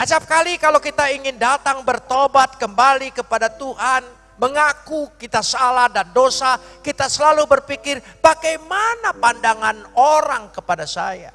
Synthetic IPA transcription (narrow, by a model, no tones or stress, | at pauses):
ʔat͡ʃap̚kalikalowkit̪aiŋɪndat̪aŋbərt̪obat̪̚kəmbalikəpadat̪uɦan | məŋakukit̪asəalahdandosakit̪asəlalubərpikɪrbaɡajmanapandaŋanoɾaŋkəpadasa̰ja̰